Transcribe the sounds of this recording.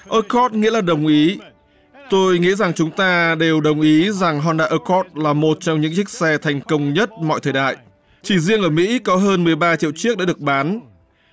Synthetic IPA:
ʔəː˧kʰɔ˦˥t̚ŋḭ˧˥əlaː˨˩ɗə˨˩wŋ͡mʔi˨˦ | t̪o˧jŋḭ˧˥za˨˩ŋt͡ɕʊ˨˦ŋ͡mt̪aː˧ɗe˨˩wɗə˨˩wŋ͡mʔi˨˦za˨˩ŋɦɔ˧nɗa̰ː˧ʔəː˧kʰɔ˦˥t̚laː˨˩mo˨˩t̚t͡ɕɔ˧wŋ͡mɲɨ̰˧˥ŋt͡ɕï˦˥k̟̚sɛ˧t̪ʰa˨˩jŋ̟kə˧wŋ͡mɲə˦˥t̚mɔ̰˧˨jt̪ʰəː˨˩jɗa̰ː˧˨j | t͡ɕi˧˩zi˧əŋʔəː˧˩mḭ˧˥kɔ˨˦ɦəː˧nmɨ˨˩əjɓaː˧t͡ɕḭ˧əwt͡ɕi˦˥ək̚ɗa̰ː˧ɗɨ˨˩ək̚ɓaː˨˦n

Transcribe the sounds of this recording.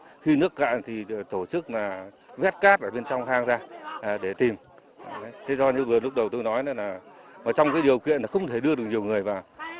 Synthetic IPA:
xi˧nɨ˦˥əkka̰ː˧˨nt̪ʰi˨˩t̪o˧˩t͡ɕɨ˦˥k̚laː˨˩ | vɛ˦˥t̚kaː˦˥t̚ʔəː˧˩ɓe˧nt͡ɕɔ˧wŋ͡mhaː˧ŋzaː˧ʔɗe˧˩t̪i˨˩m˨˦ | t̪ʰe˨˦zɔ˧ɲɨ̰˧˥vɨ˨˩əlʊ˦˥k͡p̚ɗə˨˩wt̪o˧jnɔ˨˦jna˨˦laː˨˩maː˨˩t͡ɕɔ˧wŋ͡mkaː˨˦ɗi˨˩əwkḭ˧˨ənlaː˨˩xə˧wŋ͡mt̪ʰe˧˩ɗɨ˧əɗɨ˨˩ək̚ɲi˨˩əwŋɨ˨˩əjvaː˨˩

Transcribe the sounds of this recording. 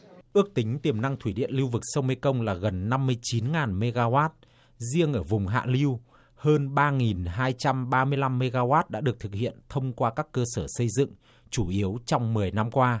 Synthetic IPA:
ʔɨ˦˥ək̚t̪ï˨˦ŋ̟t̪i˨˩əmna˧ŋt̪ʰwi˧˩ɗḭ˧˨ənli˧wvɨ˨˩k̚sə˧wŋ͡mme˧jkə˧wŋ͡mlaː˨˩ɣə˨˩nːa˧mːɨ˧əjt͡ɕi˨˦nŋaː˨˩nme˧ɣaː˧waː˦˥t̚ | zi˧əŋʔəː˧˩vʊ˨˩ŋ͡mɦa̰ː˧˨li˧w | həː˧nɓaː˧ŋi˨˩nɦaː˧jt͡ɕa˧mɓaː˧mɨ˧əjla˧mːe˧ɣaː˧waː˦˥t̚ɗa̰ː˧˥ɗɨ˨˩ək̚t̪ʰɨ˨˩k̚hḭ˧˨ənt̪ʰə˧wŋ͡mkwaː˧kaː˦˥kːəː˧səː˧˩sə˧jzɨ̰˧˨ŋ | t͡ɕu˧˩ʔi˨˦əwt͡ɕɔ˧wŋ͡mmɨ˨˩əjna˧mkwaː˧

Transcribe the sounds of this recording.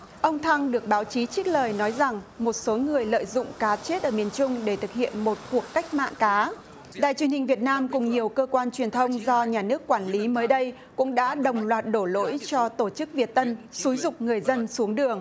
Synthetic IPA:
ʔə˧wŋ͡mt̪ʰa˧ŋɗɨ˨˩ək̚ɓaː˨˦wt͡ɕi˨˦t͡ɕi˦˥k̚ləː˨˩jnɔ˨˦jza˨˩ŋmo˨˩t̚so˨˦ŋɨ˨˩əjlə̰ː˧˨jzʊ̰˧˨ŋ͡mkaː˨˦t͡ɕe˦˥t̚ʔəː˧˩mi˨˩ənt͡ɕʊ˧ŋ͡mɗe˧˩t̪ʰɨ˨˩k̚hḭ˧˨ənmo˨˩t̚ku˨˩əkːa˦˥jk̟̚ma̰ː˧˨nkaː˨˦ | ɗa̰ː˧˨jt͡ɕwənhï˨˩ŋ̟vi˨˩ət̚naː˧mkʊ˨˩ŋ͡mɲi˨˩əwkəː˧kwaː˧nt͡ɕwi˨˩ənt̪ʰə˧wŋ͡mzɔ˧ɲaː˨˩nɨ˦˥əkːwaː˧˩nli˨˦məː˨˦jɗə˧j | kʊ̰˧˥ŋ͡mɗa̰ː˧˥ɗə˨˩wŋ͡mlwaː˨˩t̚ɗo˧˩lo̰˧˥jt͡ɕɔ˧t̪o˧˩t͡ɕɨ˦˥k̚vi˨˩ət̚t̪ə˧nsu˨˦jzʊ˨˩k͡p̚ŋɨ˨˩əjzə˧nsu˨˦əŋɗɨ˨˩əŋ

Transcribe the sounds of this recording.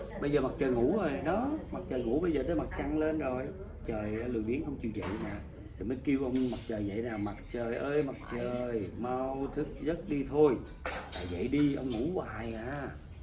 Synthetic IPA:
ɓə˧jzəː˨˩ma˨˩t̚t͡ɕəː˨˩jŋu˧˥˦ʔəː˨˩jɗɔ˨˦ma˨˩t̚t͡ɕəː˨˩jŋṵ˧˩˥ɓə˧jzəː˨˩t̪əː˨˦jma˨˩t̚t͡ɕa˧ŋle˧nzo˨˩jm˩t̚t͡ɕəː˨˩jʔəː˧lɨ̰˨˩jɓi˨˦nxə˧wŋ͡mt͡ɕi˨˩wzə̰˧˨jnaː˨˩ | t̪ʰi˨˩məː˨˦jki˧wʔə˧wŋ͡mma˨˩t̚t͡ɕəː˨˩jzə̰˧˨jnaː˨˩wma˨˩t̚t͡ɕəː˨˩jʔəː˧jma˨˩t̚t͡ɕəː˨˩jma˧wwt̪ʰɨ˦˥k̚zə˦˥t̚ɗi˧t̪ʰo˧j | t̪a̰ː˨˩zə̰˧˨jɗi˧ʔə˧wŋ͡mŋu˧˩˥wa̰ː˧˨˩jaː˨˧

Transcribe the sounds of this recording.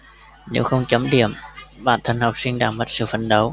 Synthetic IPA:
ne˨˦wxə˧wŋ͡mt͡ɕə˨˦mɗḭ˧˩˨əmɓa̰ː˧˩nt̪ʰə˧˩ŋhɔ˨˩k͡p̚si˧ŋɗaː˧˩ŋmə˨˩t̚sɨ̰˧˨fə˧˩nɗə˨˦w

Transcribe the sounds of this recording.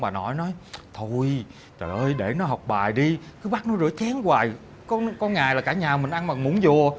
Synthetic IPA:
ɓaː˨˩nɔ˨˦jnɔ˨˦jt̪ʰo˧j | t͡ɕəː˨˩ʔəː˧jɗe˧˩nɔ˨˦ɦɔ˨˩wk͡p̚ɓaː˨˩jɗi˧kɨː˨˦ɓa˦˥k̚nɔ˨˦zɨ̰˧˥ət͡ɕɛ˨˦ŋkwaː˨˩j | kɔ˧nkɔ˧nŋaː˨˩jlaː˨˩kaː˧˩ɲaː˨˩mï˨˩ŋ̟ʔa˧nmaː˨˩mu˧˦nzo˨˩ə

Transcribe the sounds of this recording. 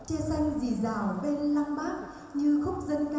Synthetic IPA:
t͡ɕɛ˧sa˧jŋ̟zi˨˩zaː˨˩wɓe˧nla˧mɓaː˦˥k̚ | ɲɨ˧xʊ˦˥k͡p̚zə˧nka˧

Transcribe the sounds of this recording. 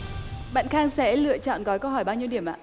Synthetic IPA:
ɓa̰ː˧˨nxaː˧ŋsɛ̰˧˥lɨ̰˧˨ət͡ɕɔ̰˧˨nɣɔ˨˦jkə˧ɦɔ˧˩jɓaː˧wɲi˧əwɗi˧˩əmʔa̰ː˧˨

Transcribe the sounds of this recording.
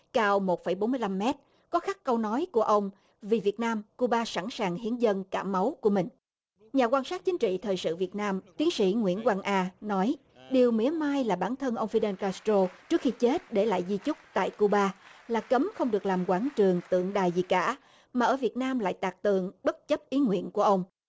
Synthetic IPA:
kaː˧wmo˨˩fə˧˩jɓo˨˦nmɨ˧jla˧mːɛ˦˥t̚ | kɔ˨˦xa˦˥k̚kə˧wnɔ˨˦jku˧˩əʔə˧wŋ͡m | vi˨˩vi˨˩ət̚naː˧mku˧ɓaː˧sa̰˧˩nsaː˨˩ŋhi˨˦ənzə˧nkaː˧˩ma˨˦wku˧˩əmï˨˩ŋ̟ | ɲaː˨˩kwaː˧nsaː˦˥t̚t͡ɕï˨˦ŋ̟t͡ɕḭ˧˨t̪ʰəː˨˩jsɨ̰˧˨vi˨˩ət̚naː˧mt̪wi˨˦əŋsḭ˧˥ŋwḭ˧˥ənkwaː˧nʔaː˧nɔ˨˦j | ɗi˨˩əwmi˨˦əmaː˧jlaː˨˩ɓaː˧˩nt̪ʰə˧nʔə˧wŋ͡mfi˧ɗe˧nkaː˧st̪o˧t͡ɕɨ˦˥ək̚xi˧t͡ɕe˦˥t̚ɗe˧˩la̰ː˧˨jzi˧t͡ɕʊ˦˥k͡p̚t̪a̰ː˧˨jku˧ɓaː˧laː˨˩kə˨˦mxə˧wŋ͡mɗɨ˨˩ək̚laː˨˩mkwaː˧˩nt͡ɕɨ˨˩əŋt̪ɨ̰˧˨əŋɗaː˨˩jzi˨˩kaː˧˩ | maː˨˩ʔəː˧˩vi˨˩ət̚naː˧mla̰ː˧˨jt̪aː˨˩k̚t̪ɨ˨˩əŋɓə˦˥t̚t͡ɕə˦˥p̚ʔi˨˦ŋwḭ˧˨ənku˧˩əʔə˧wŋ͡m

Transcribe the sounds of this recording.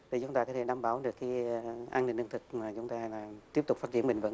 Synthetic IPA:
t̪ʰi˨˩t͡ɕʊ˨˦ŋ͡mt̪aː˧kɔ˧˦˧t̪ʰe˧˦ɗaː˧mɓaː˨˩˦wɗɨ˨˩əkːi˧ʔaː˧nḭ˧˩˨nːɲɨ˧nt̪ʰɨ˨˩k̚maː˨˩t͡ɕʊ˨˦ŋ͡mt̪aː˧laː˨˩t̪i˦˥əpt̪ʊ˨˩k͡p̚faː˦˥t͡ɕi˨˧˩əmɓï˨˩ŋ̟və̰˧˥n

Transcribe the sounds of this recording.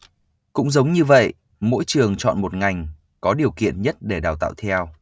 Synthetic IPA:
kʊ̰˧˥ŋ͡mzə˨˦wŋ͡mɲɨ˧və̰˧˨j | mo̰˧˥jt͡ɕɨ˨˩əŋt͡ɕɔ̰˧˨nmo˨˩t̚ŋa˨˩jŋ̟ | kɔ˨˦ɗi˨˩əwkḭ˧˨ənɲə˦˥t̚ɗe˧˩ɗaː˨˩wt̪a̰ː˧˨wt̪ʰɛ˧w

